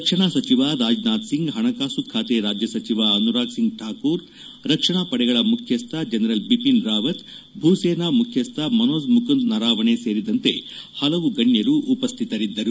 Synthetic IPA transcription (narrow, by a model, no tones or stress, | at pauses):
ɾɐkʂɐɳaːsɐt͡ʃiʋaɾaːd͡ʒnaːd̪siŋɡɦɐɳɐkaːsukʰːaːt̪eɾaːd͡ʒjɐsɐt͡ʃiʋaɐnuɾaːɡsiŋɡʈʰaːkuːɾ | ɾɐkʂɐɳaːpɐɽɛɡɐɭɐmukʰjɐst̪ʰɐd͡ʒɐnɐɾɐlbipinɾaːʋɐt̪ | bʱuːseːnamukʰjɐst̪ʰɐmɐnoːsmukɐnd̪nɐɾaːʋɐɳeseːɾid̪ɐnt̪e̞̰ | hɐlɐʋuɡɐɳjɐɾuʔːpɐst̪ʰit̪ɐɾid̪ːɐɾu